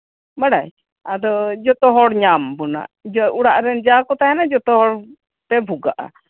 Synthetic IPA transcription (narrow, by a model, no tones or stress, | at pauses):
baɽaj | ad̪ɔd͡ʒɔt̪ɔɦɔɽɲambuna̰ʔd͡ʒɔuɽaʔɾɛnd͡ʒakɔt̪aɛnad͡ʒɔt̪ɔɦɔɽ | p̪ɛbʱuɡaʔa̰